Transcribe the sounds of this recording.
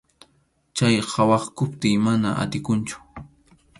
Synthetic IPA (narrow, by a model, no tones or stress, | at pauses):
t͡ʃajɢɑwɑχkʊpt̪ɪjmana̰ʔa̰t̪ɪkʊnt͡ʃʊ̥